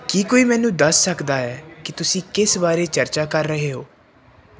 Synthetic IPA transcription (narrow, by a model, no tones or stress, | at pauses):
kiːkoːiːmɛːnũːd̪əsːəkd̪aːɛːkɪt̪ʊsĩːkɪsbaːɾeːt͡ʃəɾt͡ʃaːkəɾːəɦeːɦoː